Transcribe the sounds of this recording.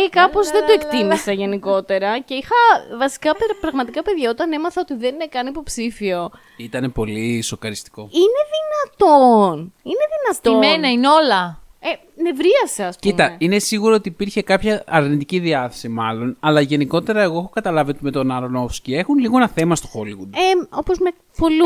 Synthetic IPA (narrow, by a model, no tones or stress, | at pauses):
ekɐpo̞zðe̞nd̪oe̞kt̪imisɐʝe̞niko̞t̪e̞ɾɐce̞ixɐvɐsi̥kɐpeɾpɾɐɣmɐt̪ikɐpe̞ðʝɐo̞t̪ɐne̞mɐθɐot̪iðeninekɐnipo̞psifio̞ | it̪ɐne̞po̞lisokɐɾist̪i̥ko̞ine̞ðinɐt̪onine̞ðinɐt̪omenɐineo̞lɐ | e | ne̞vɾiɐseɐspciumt̪ɐine̞siɣuɾoot̪iːpiɾçe̞kɐpçɐɐɾnit̪iciðiɐθesimɐlo̞nɐlɐʝe̞niko̞t̪e̞ɾɐe̞ɣo̞exokɐt̪ɐlɐviot̪ume̞t̪o̞nɐɾno̞fscie̞xunliɣo̞enɐθe̞mɐst̪oxoliɣud̪eo̞pozme | polu